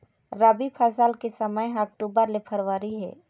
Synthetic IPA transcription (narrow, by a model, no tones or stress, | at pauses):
ɾabipʰaːsaːlkesəməjɦɐk̚ʈuːbəɾlɪpʰəɾʋaːɾiɦɛ̰ː